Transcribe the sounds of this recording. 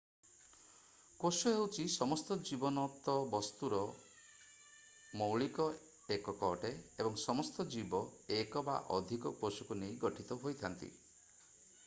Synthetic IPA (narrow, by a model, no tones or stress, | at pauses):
kosuewt͡ʃʰisɔmɔst̪ɔd͡ʒibɔnɔt̪ɔbɔst̪uɾɔ | mɔwɭikɔ | ekɔkɔʈeebɔŋsɔmɔst̪ɔd͡ʒibɔekɔba̰ʔɔd̪ʱikɔkosukunejɡɔʈʰit̪ɔɦojt̪ʰant̪ḭ